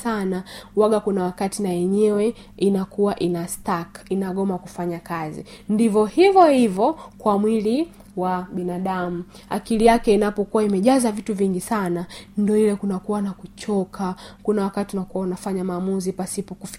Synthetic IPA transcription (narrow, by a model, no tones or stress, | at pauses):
sanawaɠakunawakatinajɛɲɛwɛ | inakuwaʔinastakinaɠɔmawaku̥faɲakazḭndivɔhivɔhivɔkwamwili | waɓinaɗamu | a̰kilijakɛinapɔkuwaimɛʄazavituviŋɡisanandiɔilɛkunakuwanakut͡ʃɔkʰakunawakatiunakuwaunafaɲamaːmuzipasipɔkuf